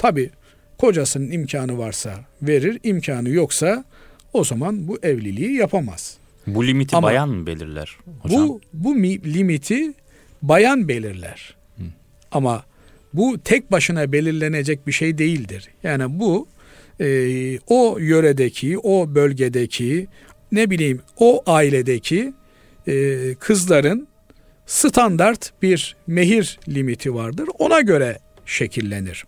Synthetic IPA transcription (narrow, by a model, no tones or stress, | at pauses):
t̪ʰabiː | kʰo̞d͡ʒasɯnɯnimcʰaːnɯvaɾsave̞ɾiɾimcʰaːnɯjoksa | o̞zamanbuʔɛvlʲilʲiijapʰama̰z̥ | bulʲimit̪ʰiabajanbḛlʲḭɾlʲæ̰ɾ̥hobubumilʲimit̪ʰi | bajanbe̞lʲiɾlʲæ̰ɾ̥ | ama | but̪ʰɛc̚baʃɯnabe̞lʲiɾlʲe̞ne̞d͡ʒɛc̚biʃejd̪e̞jilʲd̪iɾ̥jaːnibu | ojø̞ɾed̪ecʰio̞bø̞lʲɟed̪ecʰi | nebilʲijimoʔaːilʲed̪ecʰi | kʰɯzlˠaɾɯn | sɨt̪ʰand̪aɾt̪biɾmeɦiɾlʲimit̪ʰivaɾd̪ɯɾo̞naɟø̞ɾɛ | ʃe̞cʰilʲːe̞̰nḭɾ̥